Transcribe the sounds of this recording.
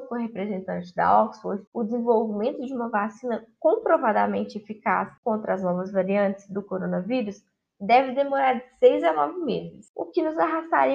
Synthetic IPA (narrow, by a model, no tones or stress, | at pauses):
kõɦepɾezẽnt̪ɐ̃nt͡ʃɪ̥d̪ɐ̰ɔksfoɾd͡ʒʊd͡ʒɪzẽvowvimẽnt̪ʊd͡ʒɪũmɐvasĩnɐkõpɾovad̪amẽnt͡ʃɪefika̰skõnt̪ɾɐːznɔvɐzvaɾiɐ̃nt͡ʃɪ̥zd̪ʊkoɾõnɐviɾus | d̪ɛvɪd̪emoɾaɾd͡ʒɪsejzanɔvɪmezɪɪsʊkɪnʊzaɦast̪a̰ɾi